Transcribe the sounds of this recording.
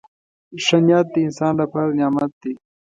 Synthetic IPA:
ʂɐnjaːt̪ːiɪnsaːnlapʰaɾnjaːmɐt̪̚d̪i

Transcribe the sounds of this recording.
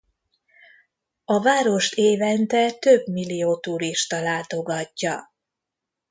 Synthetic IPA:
ɒvaːɾo̞ʃt̪eːvɛnt̪ɛt̪øbmilːijoːt̪uɾiʃt̪ɒlaːt̪o̞ɡɒcːɒ

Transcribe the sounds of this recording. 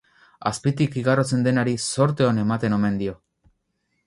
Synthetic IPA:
aspit̪ikiɣarot͡se̞nd̪e̞naɾiso̞ɾt̪e̞one̞mat̪e̞no̞me̞nd̪io̞

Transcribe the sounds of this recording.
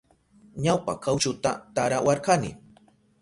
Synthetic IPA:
ɲawpa̰kawt͡ʃʊt̪a̰t̪aɾawaɾkanɪ̰

